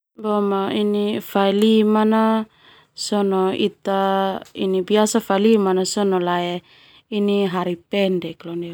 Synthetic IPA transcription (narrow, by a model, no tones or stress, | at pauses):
bomainifalimana | sɔnoit̪aḭnibiasafalimanasɔnolae | iniɦaɾipɛndɛkloni